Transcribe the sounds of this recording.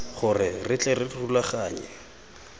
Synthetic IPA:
χʊrɪrɪt͡ɬʼɛrɪrulaχaːɲɛ̰

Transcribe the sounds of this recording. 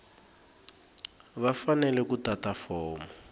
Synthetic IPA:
βafanɛlɛkutatafɔːmɔ

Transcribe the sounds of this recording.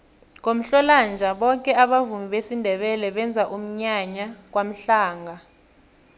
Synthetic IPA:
k̬om̩ɬɔland͡ʒʱaɓɔkʼɛaɓavumiɓesindʱɛɓɛlɛɓɛnd͡zʱaʔum̩ɲaɲak̬wam̩ɬaːŋɡʱa

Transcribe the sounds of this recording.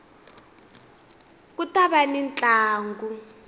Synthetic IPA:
k̬utaɓanint͡ɬʼaːŋɡu

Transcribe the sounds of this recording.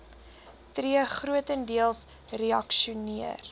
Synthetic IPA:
triəχruətəndiəlˠs | reɐkʃuniər

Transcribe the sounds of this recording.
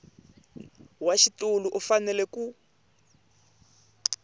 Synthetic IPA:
waʃitʼuluʔufanɛlɛku

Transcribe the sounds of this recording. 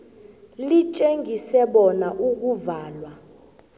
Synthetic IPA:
lit͡ʃʼeŋɡʱisɛɓɔnaʔuk̬ʼuvaːlwa

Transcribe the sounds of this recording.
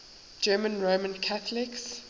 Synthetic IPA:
d͡ʒɜːmə̃nɹoːmə̃nkʰaθəlɪks

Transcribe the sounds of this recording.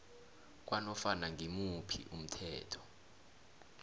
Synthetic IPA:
k̬ʼwanɔfanaŋʱimupʰḭʔum̩tʰɛːtʰɔ̥

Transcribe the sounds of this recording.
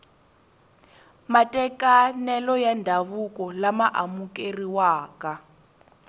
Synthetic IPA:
matʼɛkʼanɛlɔjandʱaβukʼɔlamaʔamukʼeriwaːka

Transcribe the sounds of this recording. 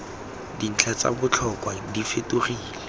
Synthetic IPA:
din̩t͡ɬʰat͡sa̰bʊt͡ɬʰɔkʼwadifeturiːlɛ

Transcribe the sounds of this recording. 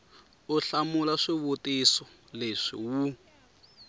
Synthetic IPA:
uɬamulaʂiβutisɔleʂḭwu

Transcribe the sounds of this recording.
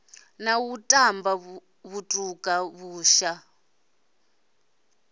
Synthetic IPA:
nawutʼamba | βutʼukʼaβuːʃa

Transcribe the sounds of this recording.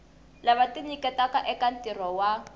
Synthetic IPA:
laβatinikɛtakaʔɛkantirɔwa

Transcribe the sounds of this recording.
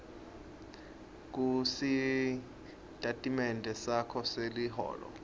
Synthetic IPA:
k̬ʼusi | tʼatʼimɛndʱʼɛsakʰɔseliɦɔ̰ːlɔ̰

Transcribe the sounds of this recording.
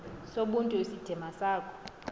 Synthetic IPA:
soɓuntʼuesid̥ʱɛmasaːkʰʼɔ̥

